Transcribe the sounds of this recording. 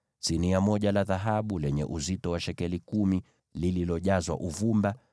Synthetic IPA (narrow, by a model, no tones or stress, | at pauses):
siniamɔʄalaðaɦaɓulɛɲɛ̰ʔuzitɔwaʃɛkɛlikumi | lililɔʄazwa̰ʔuvumba